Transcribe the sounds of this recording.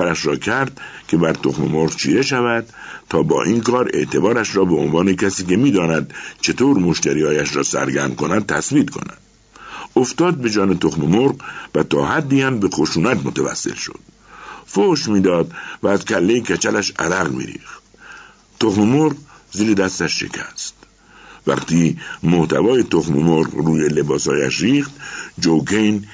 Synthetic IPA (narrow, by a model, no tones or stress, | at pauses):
æɾæʃɾɒːkʰæɾd̪kʰe̞bæɾt̪ʰoxmḛmoɾʁt͡ʃʰḭːɾeʃævæd̪̥t̪ʰɒːbɒ̰ːʔiːnkʰɒːɾe̞̰ʔt̪ʰe̞bɒːɾæʃɾɒːbeonvɒːnekʰæsiːkemiːd̪ɒːnæd̪̥t͡ʃʰe̞t̪ʰoːɾmoʃt̪æɾiːhɒːjæʃɾɒːsæ̰ɾɡæɾmko̞næd̪̚t̪ʰæsbiːt̪kʰo̞̰næ̰d̪̥ | oft̪ɒːd̪̚be̞d͡ʒɒːnet̪ʰoxmemoɾɢvæt̪ʰɒːɦæd̪ːiːhæmbexoʃuːnæt̪mot̪ʰævæ̰sːḛlʃo̰d̪̥̚ | foʃmiːd̪ɒːd̪væːzkʰælːejekʰæt͡ʃʰælæʃæ̰ɾæɣmḭːɾḭːxt̪̚ | t̪oxmemoɾq | ziːɾed̪æst̪æʃʃe̞̰kʰæst̪ | væ̰qt̪ʰiːmoht̪ʰæ̰vɒːje̞t̪ʰoxmemoɾqruːjelebɒːsɒ̰ːjæ̰ʃɾiːxt̪d͡ʒowkʰejn